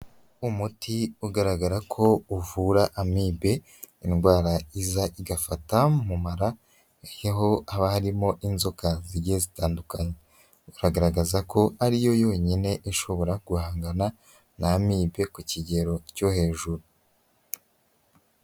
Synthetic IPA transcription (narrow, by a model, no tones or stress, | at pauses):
umutiuɡaɾaɡaɾakʰo̞uvuɾaʔamiːbe̞ | inɡwaːɾaizaʔiɡafatamumaɾa | ejaɦo̞aβahaɾimo̞ʔinzo̞kaziɟezitaːndukaɲe | uɾaɡaɾaɡazako̞aɾijo̞jo̞ːɲine̞ʔeʃo̞βo̞ɾaɡuhaːŋɡana | namiːbe̞kuciɟe̞ɾo̞cohe̞ːʒuɾu